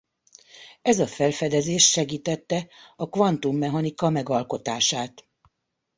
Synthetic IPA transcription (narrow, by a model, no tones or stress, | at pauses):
ɛzɒfɛlfɛd̪ɛzeːʃʃɛɡiːt̪ɛt̪ːɛɒkʋɒnt̪umːɛɦɒnikɒmɛɡɒlko̞t̪aːʃaːt̪